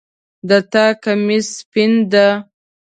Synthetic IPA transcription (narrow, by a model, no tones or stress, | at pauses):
d̪at̪akamispind̪ə